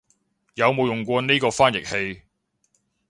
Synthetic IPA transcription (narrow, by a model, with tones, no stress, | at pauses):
jɐ˨˧wmo˨wjʊ˨ŋkʷɔː˧niː˥kɔː˧faː˥njɪ˨k̚he˧j